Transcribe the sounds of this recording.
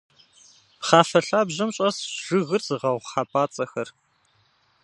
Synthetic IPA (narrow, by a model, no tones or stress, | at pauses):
χɑːfɐɬaːbʑɐmɕʼɐsʒ̥ɨɣɨrz̥ɨʁɐʁʷχaːpʼaːt͡sʼɐxɐr